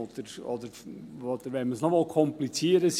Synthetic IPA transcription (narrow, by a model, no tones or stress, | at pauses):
d̪̥əɾɔ̰d̪əɾɔd̥̪əɾʋɛməsnɔmɑlˠkʰɔmplit͡siːəɾəs